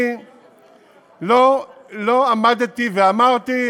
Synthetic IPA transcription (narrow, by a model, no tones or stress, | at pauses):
loloamad̪t̪iveamaʁt̪i